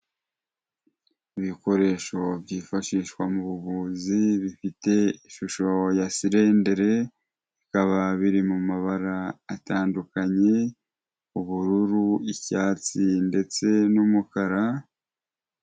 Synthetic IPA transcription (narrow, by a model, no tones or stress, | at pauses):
iβiko̞ɾe̞ːʃo̞bjifaʃiːʃwamuβuβuːziβifite̞iʃuʃo̞jasiɾe̞ndeɾe̞ | ikaβaβiɾimumaβaɾaːtaːndukaɲe̞ | uβuɾuɾuicaːt͡sinde̞t͡se̞numukaɾa